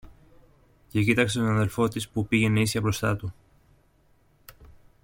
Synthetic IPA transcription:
ce̞cit̪ɐkse̞t̪onɐðe̞lfo̞t̪ispupiʝe̞neisçɐbɾo̞st̪ɐ̰t̪u

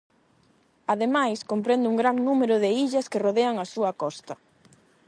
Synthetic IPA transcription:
að̞emajskompɾend̪ɪuŋɡɾaŋnumeɾʊðeiʎɐskɪroðeɐŋɐsuɐkɔst̪ɐ

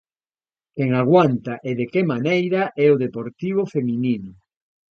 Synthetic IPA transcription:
keŋaɣwant̪aʔeðekemanejɾaʔɛoðepoɾt̪iβ̞ofemĩnĩnʊ

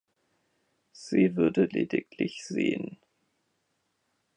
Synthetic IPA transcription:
z̥iːvʏɐdəleːdɪklɪçz̥eːən

